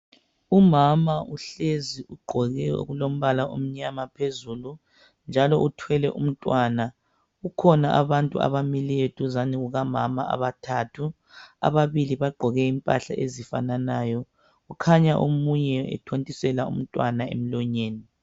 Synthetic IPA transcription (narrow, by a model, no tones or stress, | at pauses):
umamauɬeziʔuɡ͡ǃʱɔɣɛo̰ɣulom̩βalaʔom̩ɲamapʰezulu | nd͡ʒʱalɔʔutʰwɛlɛʔum̩tʼwaːna | ukʰɔnaʔaβantʼua̰βamilietʰuzaniɣuɣamama̰ʔa̰βatʰatʰu | a̰βaβiliβaɡ͡ǃʱɔɣɛimpʼaɬa̰ʔezifananaːjɔ | ɣukʰaɲaʔomuɲɛɛ̰tʰontʼisɛlaṵm̩tʼwanaḛm̩lɔɲeːni